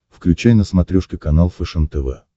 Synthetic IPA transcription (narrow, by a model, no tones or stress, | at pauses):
fklʲʉt͡ɕæjnəsmɐt̪ɾʲuʂkʲɪkɐnalˠfɛʂənt̪ɛvɛ̰